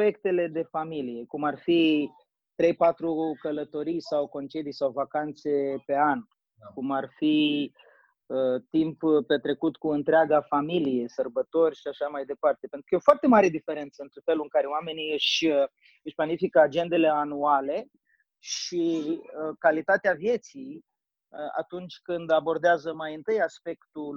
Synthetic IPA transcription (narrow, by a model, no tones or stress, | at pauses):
jekt̪e̞le̞d̪e̞familije̞kumarfi | t̪ɾe̞jpat̪ɾukələt̪o̞ɾijsawko̞nt͡ʃe̞d̪ijsawvakant̪se̞pe̞an | kumarfi | ət̪imppe̞t̪ɾe̞kut̪kuɨnt̪ɾeaɡafamilije̞sərbət̪o̞rʲʃiaʃamajd̪e̞part̪epe̞nt̪ɾukəeafoart̪e̞maɾe̞d̪ife̞ɾe̞nt̪səɨnt̪ɾefe̞luɨŋkaɾeowame̞niɨʃə | ɨʃplanifikəad͡ʒe̞nd̪e̞le̞anuale̞ | ʃiəkalit̪at̪eavje̞t̪sij | əa̰t̪unt͡ʃʲkɨnd̪abo̞rd̪eazəmajɨnt̪ɨjaspe̞kt̪u